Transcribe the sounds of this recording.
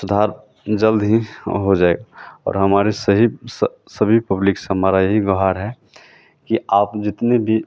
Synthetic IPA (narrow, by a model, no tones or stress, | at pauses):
sʊd̪ʱaːɾ | d͡ʒəld̪ɦiɦod͡ʒaːeɡaɔ̰ːɾɦɐmaːɾesəɦis | səbʱipɐblɪksɦəmaːɾajəɦiɡɔɦaɾɦɛ | kiaːpd͡ʒɪt̪nebʱi